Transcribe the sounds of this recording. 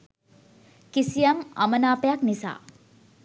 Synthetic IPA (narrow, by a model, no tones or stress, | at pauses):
kisijama̰mənaːpəjaknisa̰ː